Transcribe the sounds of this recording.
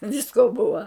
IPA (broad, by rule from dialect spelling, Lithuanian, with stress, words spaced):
ˈʋʲɪskoː ˈbʊʋɐ